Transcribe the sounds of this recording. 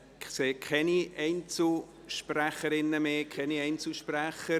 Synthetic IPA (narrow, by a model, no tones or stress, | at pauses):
ɪχseːkʰɛniʔɛɪnt͡sl | ʃpræχəɾɪnːəmeːkʰɛniɛɪnt͡sl̩ʃpræχə